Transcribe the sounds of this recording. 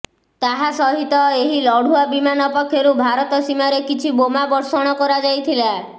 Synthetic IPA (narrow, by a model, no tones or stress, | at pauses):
t̪aɦasɔɦit̪ɔeɦilɔɽ̤uabimanɔpɔkʰjɔɾubʱaɾɔt̪ɔsimaɾekit͡ʃʰibomabɔɾsɔɽ̃ɔkɔɾad͡ʒajt̪ʰila